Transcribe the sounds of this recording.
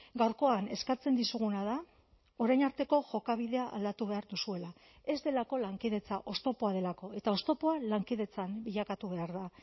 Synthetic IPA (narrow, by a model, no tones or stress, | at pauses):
ɡawɾko̞ane̞skat͡se̞nd̪isuɣunað̞a | o̞ɾajnaɾt̪e̞ko̞ʝo̞kaβ̞iðe̞aa̰ld̪at̪uβe̞aɾðusue̞la | e̞zd̪e̞lako̞laŋkiðe̞t͡saʔo̞st̪o̞po̞að̞e̞lako̞e̞t̪ao̞st̪o̞po̞alaŋkið̞e̞t͡sambiʎakat̪uβe̞aɾða